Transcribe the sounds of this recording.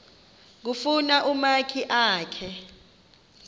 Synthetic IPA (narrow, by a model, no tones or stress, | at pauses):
k̬ufunaʔumakʰiʔaːkʰɛ